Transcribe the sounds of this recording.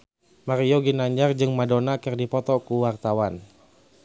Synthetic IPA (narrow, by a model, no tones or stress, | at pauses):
maɾioɡinaɲd͡ʒard͡ʒɨŋmadonakɨrdipɔt̪ɔkuwart̪awan